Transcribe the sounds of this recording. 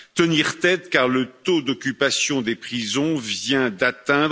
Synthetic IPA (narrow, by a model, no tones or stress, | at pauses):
t̪əniʁt̪ɛt̪kaʁlət̪od̪ɔkʲypasjɔ̃d̪epχizɔ̃vjɛ̃d̪at̪ɛ̃d̪